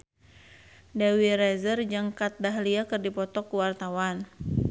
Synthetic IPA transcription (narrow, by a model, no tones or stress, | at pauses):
dawiɾɛzərd͡ʒaŋkat̪̚daɦliakɨrdipɔt̪ɔkuwart̪awan